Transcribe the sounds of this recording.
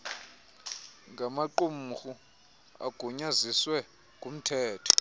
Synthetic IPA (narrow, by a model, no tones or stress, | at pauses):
ŋɡʱamaǃum̩xu | a̰ɡ̥ʱuɲaziswɛ | ɡʱum̩tʰɛːtʰɔ̥